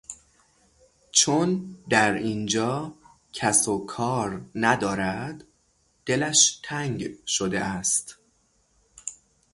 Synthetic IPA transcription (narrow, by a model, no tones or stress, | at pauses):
t͡ʃʰond̪æɾind͡ʒɒː | cʰæsokʰɒːɾnæd̪ɒːɾæd̪̥ː | e̞læʃt̪ʰæŋɟʃod̪ḛʔæst̪